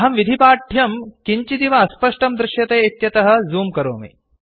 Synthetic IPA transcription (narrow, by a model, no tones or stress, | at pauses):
ɦɐmʋid̪ʱipaːʈʰjɐmkiɲt͡ʃid̪iʋɐːspɐʂʈɐmd̪ɾɪʃjɐt̪eːit̪jɐt̪ɐɦɐ̆zuːmkɐɾo̰ːmḭ